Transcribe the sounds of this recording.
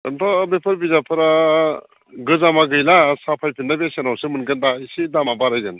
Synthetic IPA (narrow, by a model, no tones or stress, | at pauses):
ɯntʰɔbepʰɯɾbizapʰɯɾa | ɡɯzamaɡɯjlasapʰajpʰinːabesenawsɯmɯnɡɯndaisidamabaɾajzen